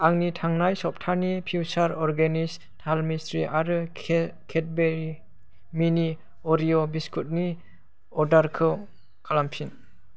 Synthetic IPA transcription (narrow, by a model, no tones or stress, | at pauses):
aŋnitʰaŋnajsɔp̚tʰanipʰuwsaɾɔɾɡenis | tʰalmistɾiʔaɾɯ | kʰet̚beɾi | mini | ɔɾiɔbiskʰut̚ni | ɔdaɾkʰɯ | kʰalampʰin